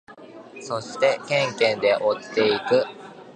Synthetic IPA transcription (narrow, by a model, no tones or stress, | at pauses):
so̞ɕi̥t̪e̞kẽ̞ŋkẽ̞nd̪e̞ʔot̪ːe̞ikɯ̟